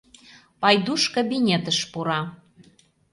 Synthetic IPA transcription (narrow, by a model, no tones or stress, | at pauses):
pɑjd̪uʃkobinʲet̪əʃpuɾɑ